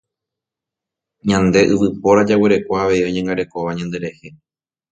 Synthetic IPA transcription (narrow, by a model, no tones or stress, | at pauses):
ɲãnd̪e̞ʔɨʋɨpo̞ɾad͡ʒaweɾe̞kʷaaʋe̞ioɲãŋɡaɾe̞ko̞ʋaɲãnd̪e̞ɾe̞he̞